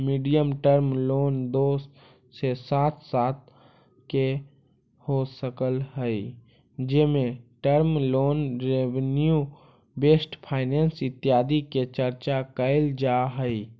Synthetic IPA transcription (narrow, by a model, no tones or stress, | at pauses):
miːɖijəmʈəɾmloːnd̪oːs | sesaːt̪ʰsaːt̪̚ | ke | hosəkəlɦəi | d͡ʒemẽʈəɾmloːnɾeʋnju | beːsʈpʰaːɪneːnsɪt̪ːjaːd̪iket͡ʃəɾt͡ʃakəɪld͡ʒaɦəi